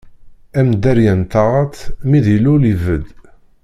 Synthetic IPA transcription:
æmd̪æɾjənt̪ɑʁɑt̪miðilulivəd̪

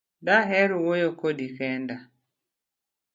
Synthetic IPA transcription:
daɦɛɾuwojokodikɛnda

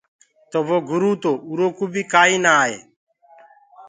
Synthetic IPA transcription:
t̪oboːɡʊɾuːt̪oːuɾoːkuːbʱiːkaːiːnaaːɦḛː

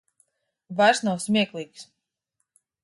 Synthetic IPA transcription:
vaɾsnawsmʲiɛklˠiːks

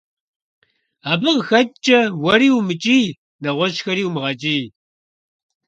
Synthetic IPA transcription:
aːbɨʁxɐtt͡ʃʼɐwɐɾiːwmɨt͡ʃʼiː | nɐʁʷɔʃxɐɾiːwmʁɐt͡ʃʼiː

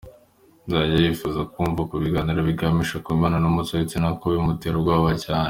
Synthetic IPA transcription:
nzaɟajifuzakuːɱvakuβiɡaːniɾoβiɡamiʃakuβimaːnanomutoit͡sinakoβeumuteɾoɡwaːβacaːne

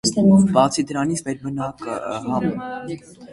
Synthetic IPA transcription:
bɑt͡sʰid̪əɾɑnit͡sʰmɛɾbənɑkə̰hɑnu

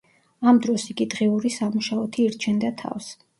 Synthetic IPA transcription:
amd̪ɾɔsiɡid̪ʁɛuɾisamuʃaɔt̪ʰiːɾt͡ʃʰɛnd̪at̪ʰa̰fs

